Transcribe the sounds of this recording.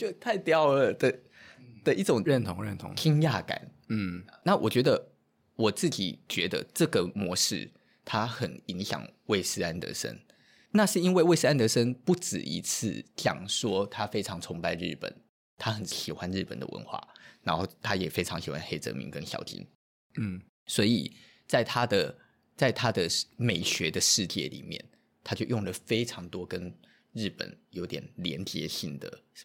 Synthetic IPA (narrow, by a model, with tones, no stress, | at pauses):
o˥˩t̪ʰa˥˩ɪt̪jɑ˥˩ʊə˨˩d̪ə˨ | d̪̥ə˨ʔi˥ʈ͡ʂʊ˨˩ŋɻə˥˨˩nt̪ʰo˧˥ŋɻə˥˨nt̪ʰo̰˧˦ŋt̪ʰi˥ŋja˥˩ka̰˨˩˦n | n̩˥˩na˥˩wʔɔ˨˩t͡ɕɥɛ˧˥d̪ə˧ | wɔ˨˩t͡sɹ̩˥˩t͡ɕḭ˨˩t͡ɕɥɛ˧˥d̪ə̰˧ʈ͡ʂɤ˥˩ɡə˩mwɔ˧˥ʂɻ̩̰˥˩ | t̪ʰa˥xə˨˩ni˧˥ŋɕjɑ̰˨˩ŋwe˥˩ɪsɹ̩˥a˥˩nt̪ɤ̰˧˥˦ʂə̰˥n | na˥˧ʂɻ̩˥˩i˥nwe˥ɪwe˥˧sɹ̩˥a˥˧nt̪ə˧˦ʂə˥npu˥˩ʈ͡ʂɻ̩̰˨˩ʔḭ˧˥t͡s̩ʰ˥˩t͡ɕjɑ̰˨˩ŋʂwɔ˥t̪ʰa˥fe˥ɪʈ͡ʂʰɑ˧˥ŋt͡sʰʊ˧˥ŋpa˥˧ɪɻɻ̩˥˩pə̰˨˩n | t̪ʰa˥xə˨˦nɕi˨˩xwa˦nɻ̩˥˩pə̰˨˩nd̪ə̰˦wʔə̰˧˦nxwa̰˥˩ɻa˧˥nxo˥˩ʊt̪ʰa˥jɛ˨˩fe˥ɪʈ͡ʂʰɑ˧˥ŋɕi˨˩xwa˦nxe˥ɪt͡sɤ̰˧˥mḭ˧˥ŋkə˦nɕjɑ̰˧˥ʊt̪ʰḭ˧˥n̩˥˩ | swɔ˧˥i˨˩ | t͡sa˥˩ɪt̪ʰa˥d̪ə˨ | t͡sa˥˩ɪt̪ʰa˥d̪ə˨me˨˩ɪɕɥɛ˧˥d̪ə˧ʂɻ̩˥˧t͡ɕjɛ̰˥˩lḭ˨˩mjɛ̰˥˩n | t̪ʰa˥t͡ɕjo˥˧ʊjʊ˥˩ŋlə˩fe˥ɪʈ͡ʂʰɑ˧˥ŋt̪wɔ˥kə˥n | ɻɻ̩˥˩pə̰˨˩njo˧˥ʊt̪jɛ̰˨˩nljɛ̰˧˥nt͡ɕjɛ˧˥ɕi˥˩ŋd̪ə̰˩